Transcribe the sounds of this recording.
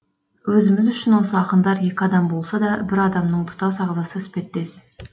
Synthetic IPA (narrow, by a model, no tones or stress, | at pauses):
wɵzɪmɪzʏʃɪnwo̞səɑqənd̪ɑɾje̞kʲɪɑd̪ɑmbo̞lˠsɑd̪ɑbɪɾɑd̪ɑmnəɴt̪ʰʊ̥t̪ɑsɑʁzɑsəspe̞t̪ːe̞sɪ̥